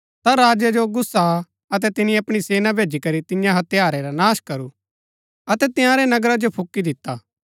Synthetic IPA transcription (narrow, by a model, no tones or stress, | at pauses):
t̪aɾaːd͡ʒjad͡ʒoɡʊsːa | ɐt̪̬ɛt̪ɪnĩɐpɽ̃iseːnabʱeːd͡ʒikɐɾit̪ɪjãɦɐt̪jaːɾɛɾanaːʃkɐɾu | ɐt̪ɛt̪ɪjãɾɛnɐɡɾad͡ʒopʰʊkːid̪ɪt̪ːaː